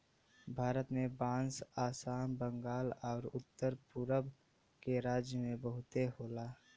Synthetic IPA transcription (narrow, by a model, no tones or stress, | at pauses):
bʱaːɾət̪mẽbãːnsaːsaːnbəŋɡaːlɔːɾʊt̪ːəɾpʊɾəb | keɾaːd͡ʒjəmẽbəɦʊt̪eɦoːlaː